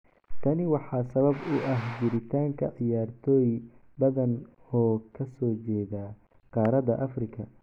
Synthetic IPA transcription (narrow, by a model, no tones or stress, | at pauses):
t̪ʰɐnɪwɑħɑːsɐβɐbʊʔɐɦd͡ʒɪɾɪt̪ʰaːŋkʰɐʕɪjaːrt̪ʰɔːjbɐðɐn | ɔːkʰɐsɔːt͡ʃɛːðaː | qɑːɾɐðɐ̰ʔɐfrɪkʰɐ